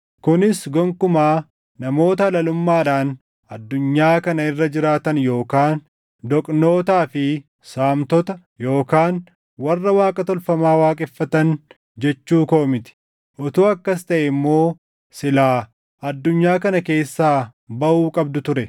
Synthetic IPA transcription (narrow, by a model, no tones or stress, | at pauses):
kʊnɪsɡɔŋkʊmaː | nɐmo̞ːt̪ɐlɐlʊmːaːᶑaːn | ɐd̪ːʊɲːaːkɐnɐɪrːɐd͡ʒɪɾaːt̪ɐnjo̞ːkaːn | d̪ɔkʼno̞ːt̪aːfɪ | saːmt̪ɔt̪ɐ | jo̞ːkaːn | wɐrːɐwaːkʼɐt̪ɔlfɐmaːwaːkʼɛfːɐt̪ɐn | d͡ʒɛt͡ʃːuːko̞ːmɪt̪ɪ̥ | ʔɔt̪uːɐkːɐst̪ɐʔɛmːo̞ː | sɪlaː | ɐd̪ːʊɲːaːkɐnɐke̞ːsːaːbɐʔuːkʼɐbd̪ʊt̪ʊɾɛ